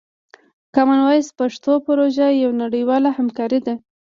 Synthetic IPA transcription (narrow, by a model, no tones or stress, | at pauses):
kɑmanwɑjspaʂt̪opʊɾoʒajawnaɽəjwɑlahamkɑɾid̪a